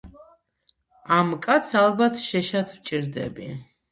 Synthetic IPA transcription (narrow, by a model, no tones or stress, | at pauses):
amkʼat̪sʰalˠbat̪ʰʃɛʃat̪ʰwt͡ʃʼiɾd̪ɛ̰bḭ